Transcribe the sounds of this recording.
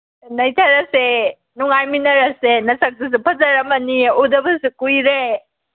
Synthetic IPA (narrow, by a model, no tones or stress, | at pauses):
nɐjtʰɐɾɐse | nuŋajminɐɾɐsenɐsɐk̚dus̬upʰɐzɐɾɐmɐniudɐbɐsukujɾe